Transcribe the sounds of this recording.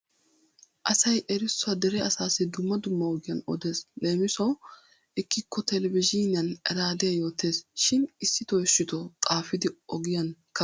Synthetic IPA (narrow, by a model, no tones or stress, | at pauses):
ʔɐsɐjʔɛɾɪsːʊɐd̪ɛɾɛɐsaːsɪd̪ʊmːɐd̪ʊmːɐɔɡɪjɐnɔ̰d̪e̞ːsleːmɪsɐw | ʔɪkːɪkːɔt̪ɛlɛvɪʒɪnɪjɐnɛɾaːd̪ɛjɐjo̞ːt̪ːe̞ːsʃɪnɪsːɪt̪ɔjɪʃːɪt̪ɔkʼaːfɪd̪ɪɔɡɪjɐnkʰɐ